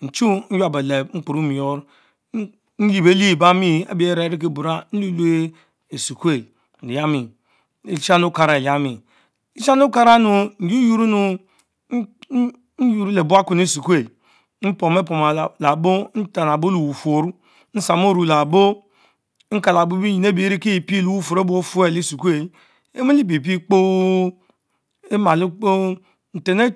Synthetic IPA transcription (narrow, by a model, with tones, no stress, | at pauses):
n̩˨t͡ʃu˦n̩˦ja˨be˨le˨˦ŋ͡m̩˦k͡pu˨ɾu˦mi˨o˦ɾ | n̩˦ji˨be˦li˦˨ba˦mi˦a̰˦bi˨˦e˦ɾe˨˦ɾi˦k̬e˦˨bu˨ɾa˦n̩˦lu˦lu˦e˦ | e˨su˨ku˦e˦˨ | i˨ja˦mi˨ | i˦t͡ʃa˦nu˦ka˨ɾa˨ja˦mi˨ | i˦t͡ʃa˦nu˦ka˦ɾa˦nu˨n̩˨d͡ʒi˦ju˦ɾu˦nu˨˦ | n̩˦ju˨ɾu˦le˨bu˦a˦ku˨n˦i˦su˨ku˦e˨ | n̩˦po˨m˦e˦po˨ma˨la˨bo˦n̩˦ta˨n˨a˨bo˦lu˨wu˨fo˨ɾu˦ | n̩˦sa˨mo˦ɾu˨la˨bo˦ | ŋ̩˦ka˨la˨bu˦i˦ji˨ne˦bi˨˦ɾi˦ki˦i˨pi˦˨lu˨wu˦fo˨ɾe˦bu˦o˦fu˦e˦li˦su˨ku˦e˨˦ | e˦me˦li˦˨pi˨p̬i˦k͡po˦ | e˦ma˨lu˦k͡po˦ | n̩˨te˨ne˦